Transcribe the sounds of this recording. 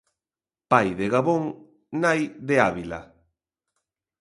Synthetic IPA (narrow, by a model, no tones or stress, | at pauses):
pajðeɣaβoŋ | najðeaβila̰